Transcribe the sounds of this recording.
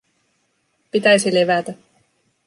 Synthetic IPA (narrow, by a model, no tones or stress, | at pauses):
pit̪æjsileʋæt̪æ